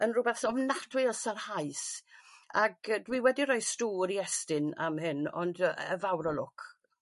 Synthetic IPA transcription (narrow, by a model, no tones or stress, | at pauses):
ənrʊbɛθɔvnatʰwɪlˠsarhajs | aɡdwiwɛdiɾɔjstuːɾiɛstɪna̰mɦɪnɔ̰ndə̰vawɾɔlʊkʰ